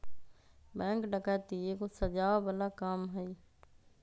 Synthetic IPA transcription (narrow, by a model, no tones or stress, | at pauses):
bɛ̃ːŋkɖəkat̪iekosəd͡ʒaːbəlaːkaːmɦəi